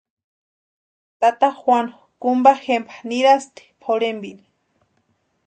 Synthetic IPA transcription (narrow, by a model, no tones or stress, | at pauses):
t̪at̪axwano | kumbaxempʰḁniɾast̪i̥pʰoɾembini̥